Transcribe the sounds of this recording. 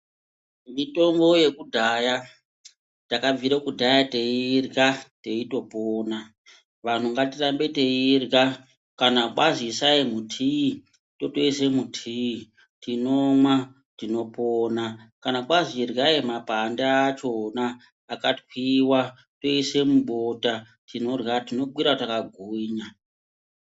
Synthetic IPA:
mito̞ŋɡo̞je̞kudʱaja | takaviɾekudʱajate̞irɡate̞ito̞poːna | ʋan̤uŋɡatirambe̞teirɡa | kanaɓazisaimutʰi | to̞toisemutʰii | tinomwa | tino̞ponakanaɓazirɣaimapandaːt͡ʃo̞naː | katwiwa | to̞ise̞muɓota | tino̞rɣatino̞ɓwiɾatakaɡʱuɲa

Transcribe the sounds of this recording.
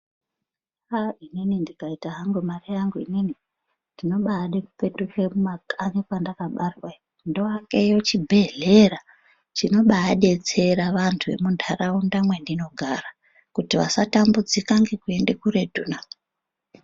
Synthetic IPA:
aininindikaitaɦaŋɡumarijaŋɡuinini | ndino̞ɓaːɗekupe̞tut͡ʃemumakʼaɲikwandakaɓarwa | ndoaŋɡejo̞t͡ʃibʱe̞ɮera | t͡ʃino̞ɓaːɗe̞t͡se̞ɾaʋantʰuʋe̞̰mundʱaraundamwe̞ndino̞ɡʱara | kutiʋa̰satambud͡zikaŋɡe̞kue̞ndekuɾe̞dʱuna

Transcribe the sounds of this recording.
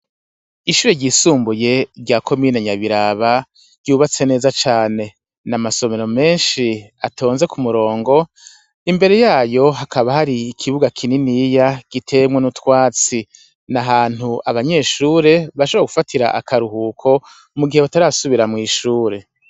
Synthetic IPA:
iʃuːɾe̞ɟiːsuːmbuje̞ɾɟakʰo̞miːneɲaβiɾaβḁ | ɟuːβat͡se̞ne̞ːzat͡ʃaːne̞ | namaso̞me̞ɾo̞me̞ːnʃiatʰo̞ːnze̞kʰumuɾo̞ːŋɡo̞ | imbe̞ɾe̞jaːjo̞ɦakʰaβahaɾiːkʰiβuɡakʰininijaɡ̥itʰe̞mwenutwaːt͡si | naɦaːn̥huaβaɲe̞ʃuːɾe̞βaʃoβaɡu̥fatʰiɾa̰ʔakʰaɾuhuːkʰo̞ | muɡihe̞βataɾasuβiɾamŋiːʃuːɾe̞

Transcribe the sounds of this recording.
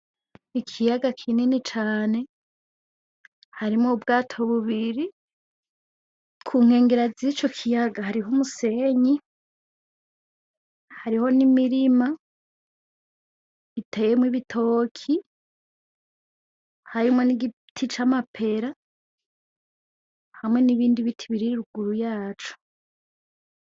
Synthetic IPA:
ikʰijaɡakʰininit͡ʃaːne̞ | haɾimŋoubɡaːtʰoβuβiɾi | kʰuːŋ̥he̞ːŋɡe̞ɾaziːt͡ʃo̞kʰijaɡahaɾiɦomuse̞ɲi | haɾiho̞nimiɾima | itʰejemwiβitʰo̞kʰi | haɾimŋo̞niɡi | tʰit͡ʃamapʰe̞ɾa | hamŋe̞niβiːndiβitʰiβiɾiɾiɾuɡuɾujaːt͡ʃu̥

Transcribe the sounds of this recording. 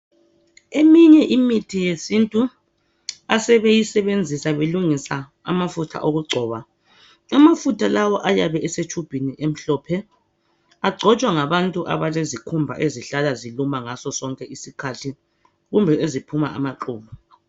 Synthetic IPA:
emiɲɛʔimitʰijesintʼu | asɛβejisɛβend͡zʱisaβeluŋisa | a̰mafutʰa̰ʔoɣuɡ͡ǀʱɔːβa | amafutʰalawɔʔajaβɛɛset͡ʃʰub̥ʱiniʔem̩ɬɔːpʰɛ | aɡ͡ǀʱɔt͡ʃʼwaŋaβantʼuʔa̰βalezikʰumbʱa̰ʔeziɬalazilumaŋasɔsɔŋkʼɛʔisikʰatʰi | ɣumbʱɛʔezipʰuma̰a̰maǃuːβɔ

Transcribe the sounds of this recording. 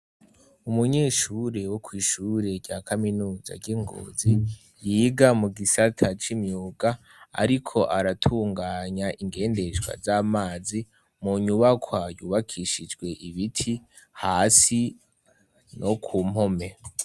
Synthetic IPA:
umuɲe̞ːʃuɾe̞wokwiːʃuːɾe̞ɾɟaːkaminuːza̰ɟeŋɡo̰ːzi | jiːɡamuɡisatʰat͡ʃimɲuːɡa | a̰ɾikʰo̞ʔaɾatʰuːŋɡaːɲaʔiŋɡe̞ːnde̞ʒɡwa̰zaːmaːzi | muɲuβakwajuːβakʰiʃid͡ʒɡwe̞ʔiβitʰi | haːsi | no̞kʰuːm̥ho̞me̞

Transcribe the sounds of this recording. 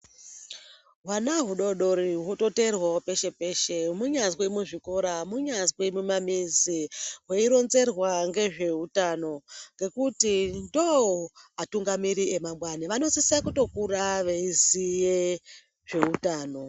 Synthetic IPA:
ɦwanaɦuɗo̞ɗo̞ɾiɦwoto̞te̞rwaope̞ʃe̞pe̞ːʃemuɲazwimuʐiko̞ɾamuɲazwemumamiziɦweiɾo̞nze̞rwaŋɡe̞ʐe̞utano̞ŋɡe̞kutindowoatuŋɡamiɾie̞mamwaniʋano̞sisiakuto̞kuraʋeizije | ʐe̞utaːno̞

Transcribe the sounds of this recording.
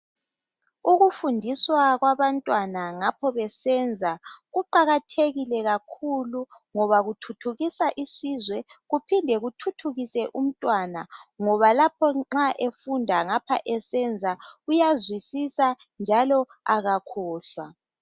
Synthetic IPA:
uɣufundʱiswaɣwaβantʼwanaŋapʰɔβɛsɛnd͡zʱaɣuǃaɣatʰeɣilɛɣakʰuluŋɔβaɣutʰutʰuɣisaʔisizwɛɣupʰindʱɛɣutʰutʰuɣisɛʔum̩tʼwanaŋɔβalapʰɔŋ͡ǁaʔefundʱaŋapʰa̰ʔɛsɛnd͡zʱaujazwisisa | nd͡ʒʱalɔ | aɣakʰɔːɬwa

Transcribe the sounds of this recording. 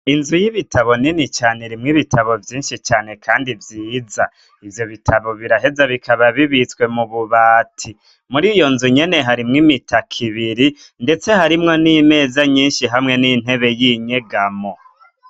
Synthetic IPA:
inzujiβitʰaβo̞ninit͡ʃaːne̞ɾimŋiβitʰaβo̞vjiːnʃit͡ʃaːne̞kʰaːndivjiːza | ivjo̞βitʰaβo̞βiɾaɦe̞zaβikʰaβaβiβit͡swe̞muβuβaːtʰi | muɾiːjo̞nzuɲe̞ne̞ɦaɾimŋimitakʰiβiɾi | nde̞t͡se̞haɾimŋo̞nime̞ːzaɲiːnʃiɦamŋe̞nin̥e̞βe̞jiɲeɡamo

